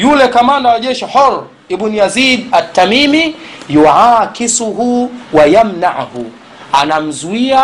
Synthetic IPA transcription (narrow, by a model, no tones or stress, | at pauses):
julɛkamandawaʄɛʃiħɔɾ | ibunijaziːdat̪ːamimijuʕaːkisuɦuwajamnaʕhu | anam̩zuia